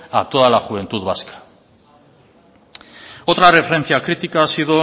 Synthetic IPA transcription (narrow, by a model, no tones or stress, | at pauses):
a̰t̪oðalaxuβ̞e̞nt̪uðβaskḁ | ot̪ɾarefeɾe̞nθiakɾit̪ikasiðo